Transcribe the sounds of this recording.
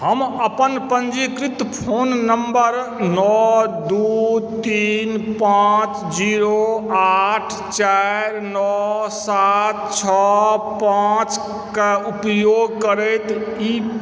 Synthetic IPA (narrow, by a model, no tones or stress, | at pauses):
ɦəməpənpənd͡ʒikɾit̪pʰonːəmbəɾnɔd̪ut̪inpãt͡ʃ | d͡ʒiɾoaʈʰ | t͡ʃaɾnɔsat̪̚t͡ʃʰɔpãt͡ʃ | keupjoɡkəɾɛt̪i